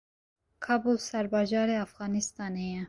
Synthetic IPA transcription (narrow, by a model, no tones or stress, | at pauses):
kʰɑbulsaɾbad͡ʒɑːɾeafɣɑnist̪ɑːneja